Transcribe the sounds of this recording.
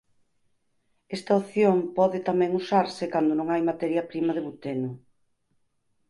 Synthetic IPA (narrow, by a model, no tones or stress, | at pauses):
ɛst̪ɐoθjompɔðɪt̪amɛ̃ŋusaɾsɪkand̪onõŋajmat̪ɛɾjɐpɾimɐðeβut̪enʊ